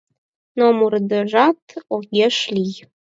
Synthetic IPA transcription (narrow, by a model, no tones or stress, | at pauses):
nomurd̪ə̆ʒɑt̪oɣʲeʃlʲij